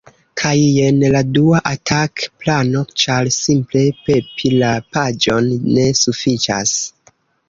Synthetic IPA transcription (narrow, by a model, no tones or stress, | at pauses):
kʰaje̞nladuaʔatʰakplano̞t͡ʃalsimple̞pe̞pʰilapad͡ʒo̞nːe̞sufit͡ʃa̰s